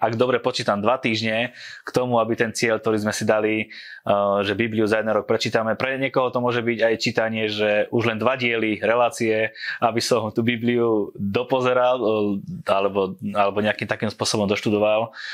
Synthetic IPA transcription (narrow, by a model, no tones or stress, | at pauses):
aɡd̪ɔbɾɛpɔt͡ʃiːt̪amd̪ʋat̪iːʒɲɛkt̪ɔmuabit̪ɛnt͡sɪɛʎk̚t̪ɔɾiːzmɛsid̪ali | ʒɛbibliuzajɛd̪ɛnɾɔk̚pɾɛt͡ʃiːt̪amɛpɾɛɲɪɛkɔɦɔt̪ɔmʊɔʒɛbiɟajt͡ʃiːt̪aɲɪɛʒɛʔuʒlɛnd̪ʋaɟɪɛliɾɛlaːt͡siɛabisɔmt̪ubibliud̪ɔpɔzɛɾal | alɛbɔalɛbɔɲɛakiːmt̪akiːmspʊɔsɔbɔmd̪ɔʃt̪ud̪ɔʋal